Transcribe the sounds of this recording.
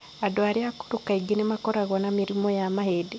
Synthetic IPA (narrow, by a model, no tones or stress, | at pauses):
adwaɾjaku̥ɾukaiɡinemakoɾaɣonamiɾimojamahede